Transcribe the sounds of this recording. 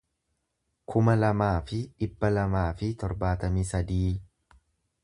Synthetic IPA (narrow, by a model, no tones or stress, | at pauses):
kʰʊmɐlɐmaːfɪɪbːɐlɐmaːfɪt̪ɔɾbaːt̪ɐmiːsɐd̪iː